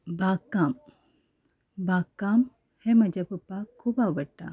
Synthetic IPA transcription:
bakam | bakːam | heməd͡ʒapupakʰːuːbaʋəɽʈa̰

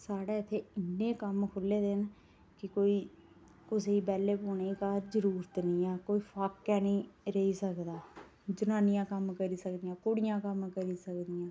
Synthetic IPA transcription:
saːɽeːɪt̪ʰːeːɪnːẽːkəmkʰʊlːeːd̪eːn | kɪkoːiː | kʊseːiːbɛːleːpoːneiːkaːɾd͡ʒəɾuːɾət̪nĩːɛːkoːiːpʰaːkːɛːnĩːɾəiːsəkd̪aː | d͡ʒʊnãːnɪjãːkəmkəɾiːsəkd̪ɪjãːkoːɽɪjãːkəmkəɾiːsəkd̪ɪjãː

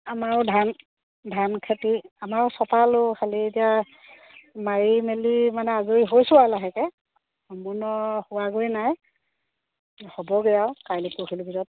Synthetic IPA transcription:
amaɹdʱan | dʱankʰatiamaɹsɔtalokʰalietija | maɹimelimanɛazoɹiɦojsʊalaɦɛkɛ | ɔmunɔhʊwaɡojnaj | hɔbɔɡɛjawkajlekuxilbʱizɔt̚

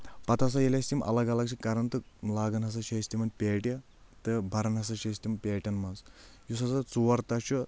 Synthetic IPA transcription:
pɐt̪ɐs̬ɐjɐlʲɐsʲt̪ʲimʔɐ̰lɐɡɐlɐɡt͡ʃʰikɐɾɐnt̪ɨlaːɡɐnɦɐs̬ɐʃʰɐsʲt̪imɐnpʲeːʈʲɐ | t̪ɨbʱɐɾɐnɦɐsɐʃɐsʲt̪impʲeːʈʲɐnmɐns | jusɐsɐt͡suʋɐɾt̪ɐt͡ʃu

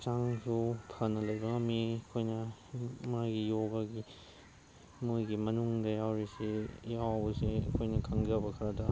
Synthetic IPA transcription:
t͡ʃaŋsupʰanɐlɐjbɐŋɐmːiɐkʰojnɐmajɡijoɡɐɡi | mojɡimɐnuŋdɐjawɾisejawbɐseɐ̰kʰojnɐkʰɐŋd͡ʒɐbɐkʰɐɾɐdɐ

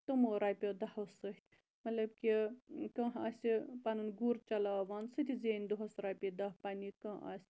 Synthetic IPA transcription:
t̪umoɾaːpʲod̪ɐhɐwsɨɦt̪ʲʰ | mɐt̪lɐb̚kʲikɐ̃ɦasipanɨnɡuɾt͡ʃɐlaʋansɨt̪ʰʲizenʲd̪oɦɐsɾapʲid̪ɐɦpanʲikɐ̃a̰sʲ

